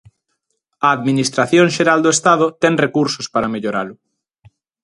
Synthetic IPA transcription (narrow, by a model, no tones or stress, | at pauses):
ɐːðminist̪ɾaθjoŋʃeɾald̪oest̪aðʊt̪ɛŋrekuɾsʊspaɾɐmeʎoɾalʊ